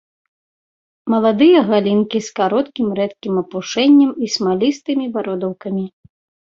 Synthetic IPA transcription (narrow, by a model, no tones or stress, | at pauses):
mɐlˠad̪ɨjɐɣalʲinkʲiskaɾɔt̪kʲimɾɛt̪kʲimɐpuʂɛnʲːɐmismalʲist̪ɨmʲivaɾɔd̪ɐwkɐmʲi